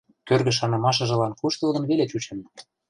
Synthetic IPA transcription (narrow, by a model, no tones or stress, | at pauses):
kørɣə̆ʃ̬ɑnɤ̆mɑʃ̬ɤ̆ʒɤ̆lɑnkuʃt̪ɤ̆ld̪ɤ̆nβeleut͡ɕĕn